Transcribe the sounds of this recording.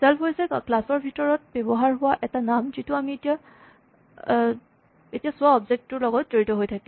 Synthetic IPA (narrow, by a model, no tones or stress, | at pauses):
sɛlpʰɦojsɛklasɔɹbʱitɔɹɔt̚bɛbɔɦaɹɦʊwaʔɛtanamzitʊamietija | etijasʊaɔbzek̚tːʊɹlɔɡɔtːeɹitɔɦojtʰakɛ̃